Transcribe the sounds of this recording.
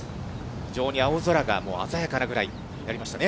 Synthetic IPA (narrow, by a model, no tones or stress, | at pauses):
çiʑo̞ːɲ̟iaozo̞ɾaɡa̰mo̞̰ːa̰zajakanaɡɯ̟ɾai | jaɾʲimaɕi̥t̪ane